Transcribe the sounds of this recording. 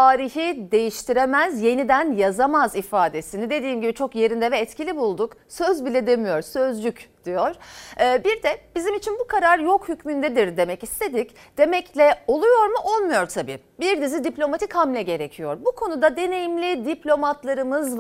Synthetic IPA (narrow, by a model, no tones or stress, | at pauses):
aːɾiçid̪e̞jiʃt̪ʰiɾemæzje̞nid̪ænjazamazifaːd̪e̞sinid̪e̞d̪iːmɟibit͡ʃʰo̞kje̞ɾind̪ɛvɛːt̪cilʲibulˠd̪uksøzbilʲɛd̪e̞mijo̞ɾsø̞zlʲycd̪̥ijo̞ɾ̥ːbiɾd̪ɛb̥izimit͡ʃʰinbukʰaɾaɾjo̞khycmynd̪ɛd̪iɾd̪e̞mɛcist̪ʰe̞d̪ic | d̪̥e̞mɛclʲɛo̞lˠujo̞ɾmuʔo̞lˠmujo̞ɾt̪ʰabḭː | biɾd̪izid̪iplʲo̞mat̪ʰichamlʲɛɟe̞ɾecʰijo̞ɾbukʰo̞nud̪ad̪e̞ne̞jimlʲid̪iplʲo̞mat̪lˠaɾɯmɯz